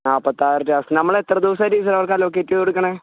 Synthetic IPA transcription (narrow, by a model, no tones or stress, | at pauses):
aːpːɐt̪ːaːjɾɐʈːɨɐsnɐmːɐɭet̪ːrɐd̪uʋɐsaɾiːs̬ɐɾɐʋɐrkaːloːk̬ːeːʈːioɽukːɐɳeː